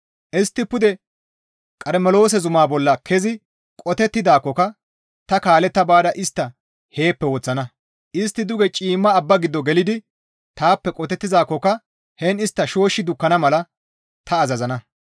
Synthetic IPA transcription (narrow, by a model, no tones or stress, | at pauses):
ʔɪst̪ːɪpʊd̪ɛ | kʼɐɾmɛlo̞ːs̬ɛzʊmaːbɔlːɐkʰɛzɪ | kʼɔt̪ɛt̪ːɪd̪aːkːɔkɐ | t̪ɐkaːlɛt̪ːɐbaːd̪ɐʔɪst̪ːɐ | he̞ːpːɛwɔt͡sːɐnɐ | ʔɪst̪ːɪd̪ʊɡɛt͡ʃʼiːmːɐːbːɐɡɪd̪ːɔɡɛlɪd̪ɪ | t̪aːpːɛkʼɔt̪ɛt̪ːɪdaːkːɔkɐ | hɛnɪst̪ːɐʃo̞ːʃːɪd̪ʊkːɐnɐmɐlɐ | t̪ɐːzɐzɐnɐ